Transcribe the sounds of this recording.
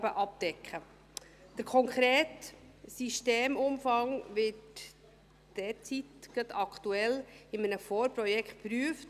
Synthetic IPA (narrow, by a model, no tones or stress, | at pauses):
bəʔɑp̚d̥ɛkχə | d̪̥əɾkʰɔŋkχɾeːt | siʃteːmʊmfɑŋʋɪːt | d̥ɛt͡sitɡ̥ət̪ɑktuɛlɪmənəfɔːɾpɾɔjɛkχt̚pɾyəft